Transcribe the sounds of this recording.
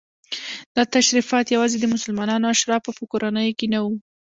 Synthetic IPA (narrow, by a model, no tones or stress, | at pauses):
d̪̥ɑt̪aʃɾifɑt̪jawɑzed̪əmʊsʊlmɑnɑnoaʃɾɑpopəkoɾanəjokenawu